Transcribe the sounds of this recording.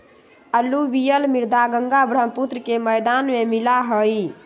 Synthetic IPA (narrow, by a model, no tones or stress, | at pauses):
əlubijəlmiɾd̪aɡəŋɡabɾəmput̪ɾəkeməjd̪anmemilaɦəj